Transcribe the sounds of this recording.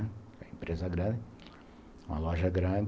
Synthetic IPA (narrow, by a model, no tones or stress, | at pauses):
kɛɐẽmpɾezɐɡɾɐ̃nd̪ɪ | ũmɐlɔʒɐɡɾɐ̃d̪